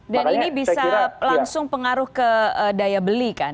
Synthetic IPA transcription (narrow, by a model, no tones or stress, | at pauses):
daninibisalaŋsʊŋpəŋaɾʊhkəədajabəlikan